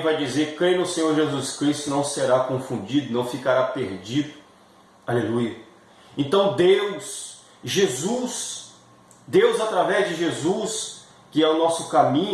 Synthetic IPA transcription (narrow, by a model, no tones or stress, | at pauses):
vajd͡ʒizeɾkɾejnʊsẽɲoɾʒezuskɾist̪ʊnɐ̃w̃seɾakõfũd͡ʒid̪ʊnɐ̃w̃fikaɾapeɾd͡ʒid̪ʊ | alelujɐ | ẽt̪ɐ̃w̃d̪ews | ʒezus | d̪ewzat̪ɾavɛzd͡ʒɪʒezus | kɪɛʊnɔsʊkamĩɲ